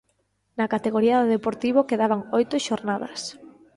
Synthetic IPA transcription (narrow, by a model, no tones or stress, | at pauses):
nakat̪eɣoɾiaðoðepoɾt̪iβokeðaβaŋojt̪ʊʃoɾnaðɐ̰s